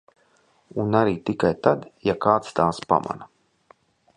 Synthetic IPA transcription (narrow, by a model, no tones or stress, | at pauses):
unaɾiːt̪ikajt̪ad̪jakaːt̪st̪aːspa̰ma̰na